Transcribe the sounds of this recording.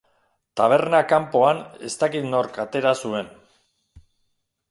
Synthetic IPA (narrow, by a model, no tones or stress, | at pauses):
t̪aβ̞e̞ɾnakampo̞ane̞̰st̪akit̪no̞ɾkat̪e̞ɾasue̞n